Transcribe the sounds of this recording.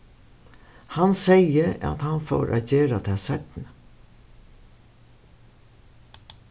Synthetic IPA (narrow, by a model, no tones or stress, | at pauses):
hansɛjəa̰t̪hanfɔ̰wɾʔæ̰ːt̪̚d͡ʒeːɾat̪ʰɛːsɛt̪nə